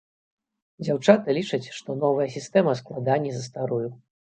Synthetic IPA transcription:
d͡zʲawt͡ʂat̪ɨlʲit͡ʂɐt͡sʲʂt̪ɔnɔvɐjɐsʲist̪ɛmɐsklˠad̪anʲːizɐst̪aɾuju

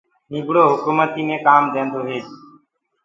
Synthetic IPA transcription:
nĩːɡɽoːɦʊkuːmət̪iːnẽːkaːmd̪ẽːnd̪oːɦeːd͡ʒ

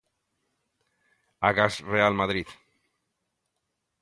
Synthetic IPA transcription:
aɣasrealmaðɾið

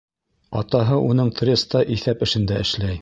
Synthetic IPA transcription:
ɑt̪ɑɦɤʔunɤɴt̪rʲest̪ɑʔiθæpɘ̆ʃɘ̆nd̪æɘ̆ʃlæj

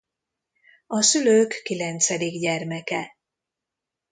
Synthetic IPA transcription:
ɒsyløːkːilɛnt̪sɛd̪iɡɟɛrmɛkɛ

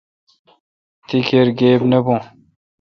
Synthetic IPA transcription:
t̪ikʰeɾɡeːbnebõ

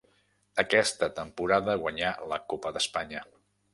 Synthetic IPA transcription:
əkɛst̪ət̪əmpuɾaðəɣwəɲaləkopəðəspaɲə

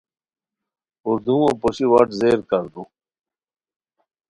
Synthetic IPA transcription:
uɾd̪ũõpoɕiwɐʈzeːɾkɐɾd̪ũ

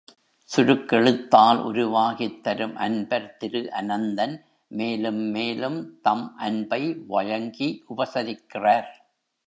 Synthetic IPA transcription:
sʊɾɯkːɛɭɯt̪ːaːlʔʊ̰ɾʊʋaːɣɪt̪ːɐɾɯmʔɐnbɐɾt̪ɪɾɯʔɐnɐnd̪ɐn | meːlɯmːeːlɯmt̪ɐmʔɐnbɐɪʋɐɻɐŋɡiʔʊbɐsɐɾɪkːɪraːɾ

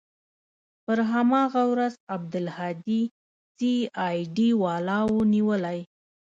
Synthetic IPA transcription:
pəɾɦamɑɣawɾazab̚d̪ʊlhɑd̪i | siɑjɖiwɑlɑwoniwəlaj

